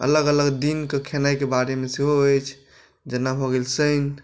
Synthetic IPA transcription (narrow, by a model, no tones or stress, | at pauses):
ə̰ləɡələɡd̪inkekʰenajkebaɾemeseɦoəjt͡ʃʰ | d͡ʒənːabʱɔɡelsən